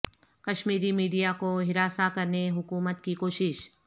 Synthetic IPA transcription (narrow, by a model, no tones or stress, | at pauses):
kɐʃmiːɾimiːɖijakoɦɪɾaːsakɐɾneɦʊkuːmət̪kikoːʃɪʃ